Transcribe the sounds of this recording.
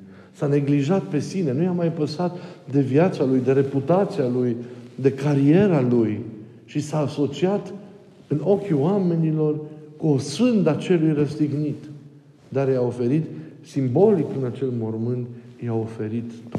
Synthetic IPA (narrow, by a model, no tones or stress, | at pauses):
sane̞ɡliʒat̪̚pe̞sine̞nujamajpəsat̪d̪e̞viat̪salujd̪e̞ɾe̞put̪at̪sialujd̪e̞kaɾie̞ɾaluj | ʃisaːso̞t͡ʃiat̪ | ɨno̞kʲioame̞nilo̞rkuosfɨnd̪at͡ʃe̞lujrəst̪iɡnit̪ | d̪aɾjao̞fe̞ɾit̪simbo̞likɨnat͡ʃe̞lmo̞rmɨnt̪jao̞fe̞ɾit̪